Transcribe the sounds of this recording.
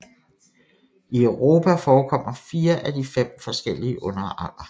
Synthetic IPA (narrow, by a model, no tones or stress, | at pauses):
iœʊʁo̝ːpʰæfɒːkʰɒ̽m̰ɐfiːɐʔæd̥ifem̰fɒ̽sɡ̥el̰iəʔɔ̽nɐɑlɐ